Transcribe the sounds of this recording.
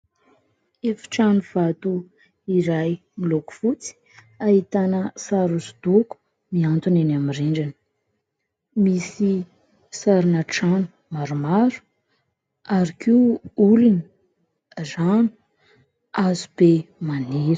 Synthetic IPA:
efi̥ʈ͡ʂanuv̥at̪u | iɾaj | miloku̥fut͡si̥ | aɦit̪anəsaɾusu̥d̪uku̥ | miant̪unenamiriɳɖ͡ʐanə̥ | misi | saɾinəʈ͡ʂanu̥ | maɾumaɾu̥ | aɾakʰiuulini̥ | zanu̥ | azub̥emaniɾə̥

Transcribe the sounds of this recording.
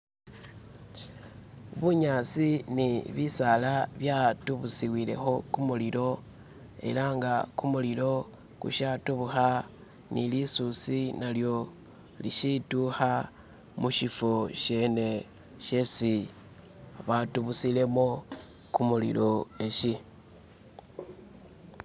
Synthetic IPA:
βuɲat͡siniβisalaβjatuβusiwile̞̰xo̞kumulilo̞ | e̞̰laːŋɡakumulilo̞ | kṵʃatuβuxa | nilisusinaljo̞ | lḭʃituxa | muʃifoʃe̞ne̞ | ʃesi | βatuβusile̞mo | kumulḭlo̞eʃi

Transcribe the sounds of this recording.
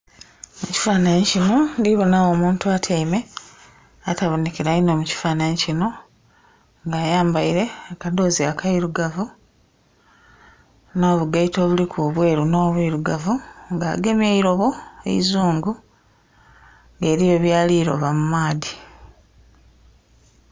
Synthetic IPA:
muci̥faːnaɲcino̞ndiβo̞nawo̞ːmuːntuatʰeime̞ | ataβonekiɾaino̞muci̥faːnaɲecino̞ | ŋɡaːjaːmbaiɾe̞ːkado̞ːziakʰaiɾuɡavu | no̞ːβuɡaito̞ːβulikʰuβwe̞ːɾuno̞ːβiɾuɡavuŋɡaːɡe̞mjeiɾo̞βo̞ḛizuːŋɡu | ŋɡe̞ːɾijo̞βjaːliːɾo̞̰βamumaːdi

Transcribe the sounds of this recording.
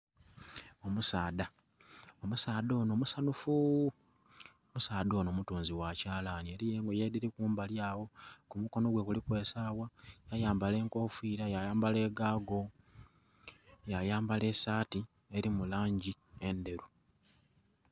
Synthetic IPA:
o̞musaːda | o̞musaːdo̞ːnomusanufu | omusaːdo̞ːno̞ːmutuːnziwacaːlanieɾije̞ːŋɡojediɾikuːmbaljaːwo̞kumuko̞no̞ɡwe̞kulikwe̞ːsaːwajajaːmbale̞ŋko̞ːfiːɾajajaːmbale̞ːɡaːɡo̞ | jajaːmbale̞saːti | e̞ɾimulaːɲɟie̞nde̞ɾu

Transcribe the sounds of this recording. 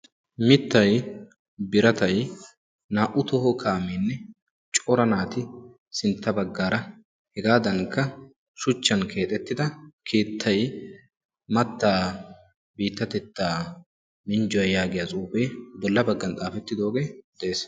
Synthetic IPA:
mɪt̪ːɐj | bɪɾɐt̪ɐj | naːʔʊt̪ɔhɔkʰaːmeːnːɛ | t͡ʃʼɔɾɐnaːt̪ɪ | sɪnt̪ːɐbɐɡːaːɾɐ | hɛɡaːd̪ɐŋkːɐ | ʃʊt͡ʃːɐnkʰe̞ːt̪ʼɛt̪ːɪd̪ɐkʰeːt̪ʰːɐj | mɐt̪ːaː | biːt̪ːɐt̪ɛt̪ːaː | mɪnd͡ʒɔɐjaːɡɪjat͡sʼuːbeːbɔlːɐbɐɡːɐnt̪ʼaːfɛt̪ːɪd̪o̞ːɡe̞ːd̪ɛʔeːs

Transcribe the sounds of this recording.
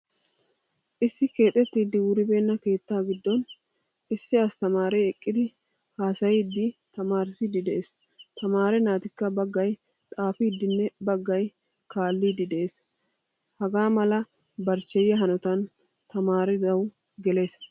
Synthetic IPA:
ʔɪsːɪke̞ːt̪ʼɛt̪ːiːd̪ɪwʊɾɪbe̞ːnːɐke̞ːt̪ːaːɡɪd̪ːɔn | ɪsːɪɐst̪ɐmaːɾɛɛkʼːɪd̪ɪ | haːsɐjid̪ːɪt̪ɐmaːɾɪsiːd̪ɪd̪ɛʔeːs | t̪ɐmaːɾɛnaːt̪ɪkːɐbɐɡːɐj | t̪ʼaːfiːd̪ːɪnːɛbɐɡːɐj | kaːlːiːd̪ɪd̪ɛʔe̞ːs | hɐɡaːmɐlɐ | bɐɾt͡ʃːɛjːɛɦɐnɔt̪ɐn | t̪ɐmaːɾɪd̪ɐw | ɡɛle̞ːs

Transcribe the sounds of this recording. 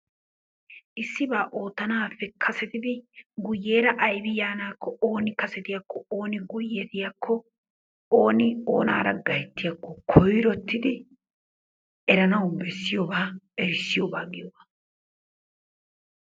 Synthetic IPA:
ʔɪsːɪbaːʔo̞ːt̪ːɐnaːfːɛkʰɐsɛt̪ɪd̪ɪɡʊjːeːɾɐʔɐjbɪjaːnaːkːɔoːnɪkɐsɛt̪ɪjɐkːɔoːnɪɡʊjːet̪ɪjɐkʰːɔ | oːnɪo̰ːna̰ːɾɐɡɐjɛt̪ːɪjɐkːɔkʰɔjɾɔt̪ːɪd̪ɪ | ɛɾɐnɐwʊbɛsːɪjɔbaːɛɾɪsːɪjɔbaːɡɪjɔbaː

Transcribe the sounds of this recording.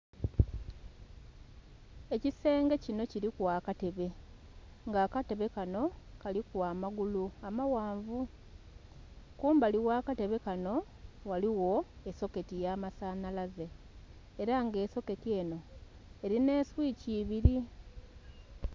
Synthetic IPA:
e̞cise̞ːŋɡe̞cino̞ciɾikwaːkate̞βe̞ | ŋɡaːkate̞βe̞kano̞kalikwaːmaɡuluamawaːɱvu | kuːmbaliwaːkate̞βe̞kano̞ | waliwo̞eso̞ke̞tijaːmasaːnalaze̞ː | ɾaŋɡe̞ːso̞ke̞tie̞ːno̞ | e̞ɾine̞ːswiːciːβiɾi

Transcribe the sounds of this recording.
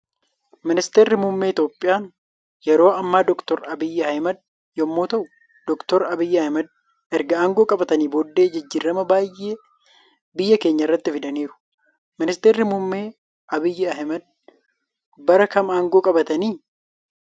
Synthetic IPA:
mɪnɪst̪eːrːɪmʊmːeːɪt̪jo̞ːpʼːɪjaːn | jɛɾo̞ːɐmːaːd̪ɔkt̪ɔɾɐbɪjːɪhɐjmɐd̪̚ | jɔmːoːt̪ɐʔʊ | d̪ɔkt̪ɔɾɐbɪjːɪɐjmɐd̪̚ | ɛɾɡɐaːŋɡoːkʼɐbɐt̪ɐniːbod̪ːe̞ːd͡ʒɐd͡ʒːɪrːɐmɐbaːjʔːe̞ː | bɪjːɐkeːɲːɐɪrːɐt̪ːɪfɪd̪ɐniːɾʊ̥ | mɪnɪst̪eːrːɪmʊmːe̞ː | ʔɐbɪjːɪɐhmɐd̪̚ | bɐɾɐkɐmaːŋɡoːkʼɐbɐt̪ɐniː

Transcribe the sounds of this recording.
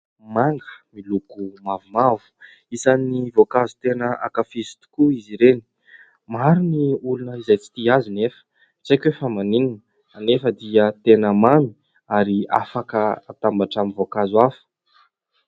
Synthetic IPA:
maŋɡəmilukumavumavu̥ | isanivokazu̥t̪enəa̰kafizi̥t̪u̥kuiziɾeni̥ | maɾuniulunəizajt͡si̥t̪iazinefə̥ | t͡sekʲefəmaniŋin | anefəd̪iət̪enəmani̥ | aɾia̰fakəat̪ambaʈ͡ʂamivokazwafə̥

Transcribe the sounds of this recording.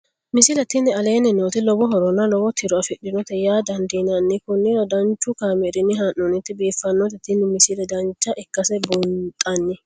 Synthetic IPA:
mɪsɪlɛt̪ːɪnːɛɐle̞ːnːɪnoːt̪ɪlɔbɔɦɔɾɔnɐlɔbɔt̪ʰɪɾɔɐfɪɗɪnɔt̪ɛjaːd̪ɐnd̪iːnɐnːɪkʊnːɪɾɐd̪ɐnt͡ʃːʊkaːmɛɾɪnːɪɦaːnːɔnɪt̪ːɪbeːfːɐnːɔt̪ɛt̪ːɪnːɪmɪsɪlɛd̪ɐnt͡ʃːɐʔɛkːɐsɛbʊnt̪ʼɐnːɪ

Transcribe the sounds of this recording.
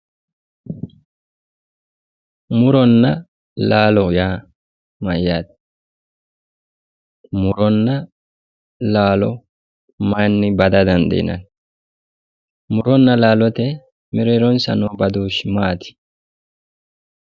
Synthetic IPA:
mʊɾɔnːɐ | laːlɔjaː | mɐjaːt̪ | mʊɾɔnːɐ | laːlɔ | mɐnːɪbɐd̪ɐd̪ɐnd̪ɛ̰ɪ̰nɐ̰n | mʊɾɔnːɐlaːlɔt̪ɛ | mɪɾɛɾɔnsɐ̰noːbɐd̪uːʃmaːt̪ɪ̥

